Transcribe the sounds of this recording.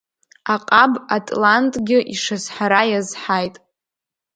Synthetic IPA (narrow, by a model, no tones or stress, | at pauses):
aqʼabatʼlantʼɡʲɪʔiʂazħaɾajazħajtʼ